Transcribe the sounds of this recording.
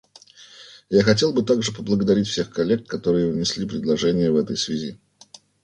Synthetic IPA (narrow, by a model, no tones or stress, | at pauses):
jaxɐtʲe̞lˠbɨt̪aɡʐɨpəblˠəɡəd̪ɐɾʲitʲfsʲe̞xkɐlʲːekːɐt̪o̞ɾɨjəvnʲɪsʲlʲipɾʲɪd̪lˠɐʐɛnʲɪjəvɛt̪ə̰jsvʲɪzʲi